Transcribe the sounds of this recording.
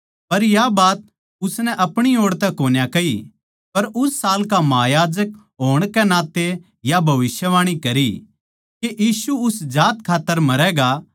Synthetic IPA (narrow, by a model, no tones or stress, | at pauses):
pɐɾjabaːt̪̚ | ʊsnɛʔɐpɽ̃ioːɽt̪ɛkoːnjakɐi | pɐɾʊsːaːlkamɐajaːd͡ʒək̚ | ɦoːɽ̃kɛnãːt̪e | jabʱɐʋɪsjəʋaːɽ̃ikɐɾi | keʔjiːsuʊsd͡ʒaːt̪kʰaːt̪ːəɾmɐɾɛɡa